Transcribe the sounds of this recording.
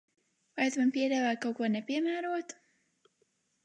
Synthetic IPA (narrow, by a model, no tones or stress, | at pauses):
vajat̪manpiɛd̪aːvaːjkawkuɔnepiɛmæːɾuɔt̪